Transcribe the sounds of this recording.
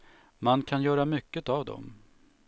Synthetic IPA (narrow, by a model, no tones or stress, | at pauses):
mankʰanjœːɾamʏkːət̪avd̪ɔ̰m